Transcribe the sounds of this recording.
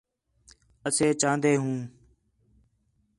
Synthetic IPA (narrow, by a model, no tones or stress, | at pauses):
əseːt͡ʃãːnd̪eːɦũː